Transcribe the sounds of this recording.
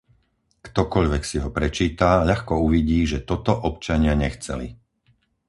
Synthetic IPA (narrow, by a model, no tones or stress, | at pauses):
kt̪ɔkɔʎʋɛksiɦɔpɾɛt͡ʃiːt̪aʎaxkɔuʋiɟiːʒɛt̪ɔt̪ɔʔɔpt͡ʃaɲɪaɲɛxt͡sɛ̰lḭ